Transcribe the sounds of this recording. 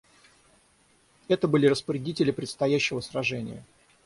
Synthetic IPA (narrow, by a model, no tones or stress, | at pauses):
ɛt̪əbɨlʲɪɾəspəɾʲɪdʲitʲɪlʲɪpɾʲɪt̪st̪ɐjæɕːɪvəsrɐʐɛnʲɪ̰jə̰